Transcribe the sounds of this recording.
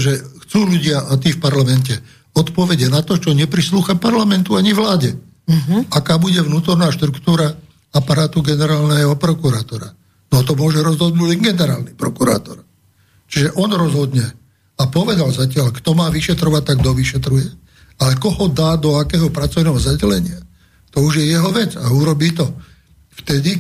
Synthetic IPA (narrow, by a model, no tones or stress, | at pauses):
ʒɛxt͡suːluɟɪaʔat̪̬iːfpaɾlamɛncɛ | ɔt̪pɔʋɛɟɛnat̪ɔt͡ʃɔɲɛpɾisluːxapaɾlamɛnt̪uaɲivlaːɟɛ | akaːbuɟɛvnuːt̪ɔɾnaːʃt̪ɾukt̪uːɾa | apaɾaːt̪uɡɛnɛɾaːlnɛɦɔpɾɔkuɾaːt̪ɔɾa̰ | nɔt̪ɔmʊɔʒɛɾɔzɦɔd̪nuːɟliŋɡɛnɛɾa̰ːlnipɾɔkuɾa̰ːt̪ɔɾ | t͡ʃiʒɛʔɔnɾɔzɦɔd̪ɲɛ | apɔʋɛd̪alzacɪaʎkt̪ɔmaːʋiʃɛt̪ɾɔʋac̚t̪aɡd̪ɔʋiʃɛt̪ɾujɛ | alɛkɔhɔd̪aːd̪ɔakɛːɦɔpɾat͡sɔʊnɛɦɔzaɟɛlɛɲɪa | t̪ɔuʒjɛjɛɦɔʋɛd͡zauɾɔbiːt̪ɔ | ft̪ɛd̪i